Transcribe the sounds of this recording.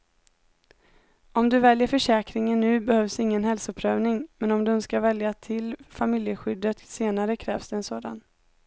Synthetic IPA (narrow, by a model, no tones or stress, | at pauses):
ɔmd̪ɵvɛljəɾfœʂɛːkɾɪŋənːʉ̟ːbɛhœvsɪŋːənhɛlsʊəpʰɾøːvnɪŋmɛnɔmd̪ɵɵnskavɛljat̪ʰɪlfamɪljəɧʏd̪ːət̪seːnaɾəkʰɾɛːvsd̪ɛːnsoːd̪a̰n